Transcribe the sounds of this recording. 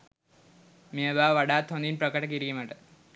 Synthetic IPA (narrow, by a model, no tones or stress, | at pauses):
meːbaːʋɐɽaːt̪ʰond̪inprɐkːɐɽɐk̬ːiɾikʲːumaʈːɨ